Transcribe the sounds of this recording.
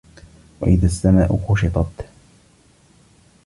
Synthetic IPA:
wa̰ʔɪðasːamaːʔʊxʊʃɪt̪ˤɑt̪

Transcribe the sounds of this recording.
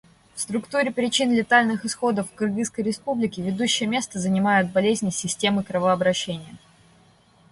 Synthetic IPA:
fst̪ɾʊkt̪uɾʲɪpɾʲɪt͡ɕinlʲɪt̪alʲnɨxɨsxo̞d̪əfkrɡɨskəjɾʲɪspublʲɪkʲɪvʲɪd̪uɕːɪjəmʲe̞st̪əzənʲɪmajʊt̪̚bɐlʲezʲnʲɪsʲɪsʲtʲe̞mɨkɾəvəɐbɾɐɕːenʲɪjə

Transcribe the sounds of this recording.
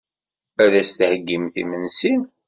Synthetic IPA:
æðæst̪həɡːimθḭmənsin

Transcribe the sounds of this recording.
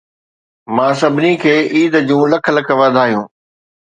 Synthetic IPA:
mãːsɐbʱɪnikʰeːʔiːd̪d͡ʑũːlɐkʰlɐkʰəʋaːd̪ʱaːɦjũː

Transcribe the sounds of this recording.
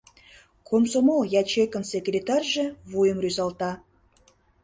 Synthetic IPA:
kʰomsomolˠjɑt͡ɕekə̆nsekrʲet̪ɑrʲʒĕβujə̆mryzɑlt̪ɑ

